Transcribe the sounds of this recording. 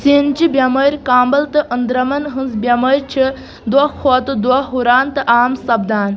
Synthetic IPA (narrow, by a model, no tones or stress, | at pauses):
sint͡ʃibʲjɐməɾʲkaːmbɐlt̪ɨʔənd̪ɾɐmɐnɦɨnzbjɐmɐɾʲt͡ʃʰi | d̪wɐkʰoːt̪ɨd̪wɐɦuɾaːnt̪ɨʔaːmsɐbd̪aːn